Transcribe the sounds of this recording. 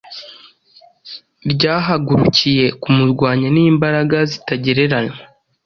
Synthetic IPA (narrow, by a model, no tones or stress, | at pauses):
bɟaːɦaɡuɾucije̞kumuɾɡwaːɲaniːmbaɾaɡazitaɟe̞ɾe̞ɾana